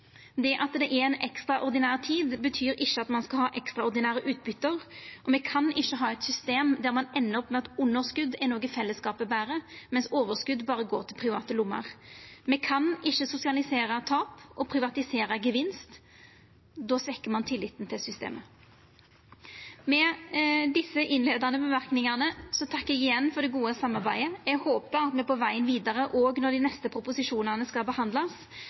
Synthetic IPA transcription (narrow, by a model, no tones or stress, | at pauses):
d̪ɛʔɑt̪d̪ɛʔɛɾɛnɛkst̪ʁɑʔɔʁd̪ɪnæːʁt̪ʰiːd̪bət̪ʰyːɾɪçːəɑt̪mɑnskɑlhɑːʔɛkst̪ɾɑɔʁd̪ɪnæːʁəʔʉːt̪̚bʏt̪ːəʁʔɔmɛːkʰɑnɪçːəɦɑːɛt̪sʏst̪eːmd̪æʁmɑnɛnːəɔpmɛɑt̪ʊnːəʁskʉd̪ɛɾnoːɡəfɛlːəskɑːpəbæːʁəmɛnsoːʋəʁskʉd̪bɑːʁəɡoːʁt̪ʰɪlpʰʁɪʋɑːt̪əlʊmːə̰ʁmɛːkʰɑnɪçːəsʊsɪɑlɪseːɾət̪ʰɑːpʔɔpʰʁɪʋɑt̪ɪseːɾɑɡəʋɪnst̪ | d̪oːsʋɛkːəmɑnt̪ʰɪlːɪt̪n̩t̪ʰɪlsʏst̪ḛːmʔə | mɛd̪ɪsːəʔɪnleːd̪ɑnəbəʋɑɾknɪŋɑnəsɔt̪ʰɑkːɛɡɪjɛnːfɔd̪ɛɡuːəsɑmːɑʁbæɪəɛɡhoːpəɾɑt̪mɛpɔʋæɪənʋiːd̪ɑʁəʔoːɡnɔʁd̪iːnɛst̪əpʰɾʊpʊsɪʂuːnəʁnəskɑlbəhɑnd̪lɑs